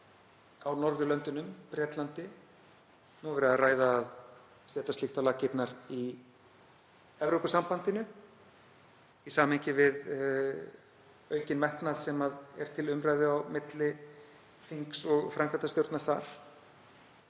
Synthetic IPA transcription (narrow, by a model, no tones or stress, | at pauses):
awnɔɾðʏlœnt̪ʏnʏmpɾjɛːt̪lant̪ɪ | nuvɛɾɪaraːjðaːð | sɛːt̪ast̪ɪht̪awlaːcɪt̪naɾi | ɛvɾowkʏsampant̪ɪnʏ | isaːmeɲcɪvɪð | œːɥcɪnmɛht̪naðsɛmaðɛ̰ɾ̥t̪ʰɪlʏmɾajðʏawmɪt̪lɪ | θiŋksɔɣfɾaŋkʰant̪ast̪jowɾt̪naɾ̥θaɾ̥